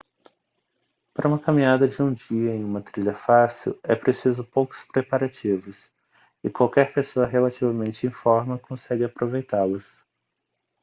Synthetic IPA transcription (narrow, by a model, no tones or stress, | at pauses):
paɾɐũmɐkamĩɲad̪ɐd͡ʒɪũd͡ʒiɐẽj̃ũmɐt̪ɾiʎɐfasiwɛpɾesizʊpowkʊ̥spɾepaɾat͡ʃivʊs | ɪkwawkɛɾpesoɐɦelat͡ʃivɐmẽnt͡ʃɪẽfɔɾmɐkõsɛɡɪapɾovejt̪alɐs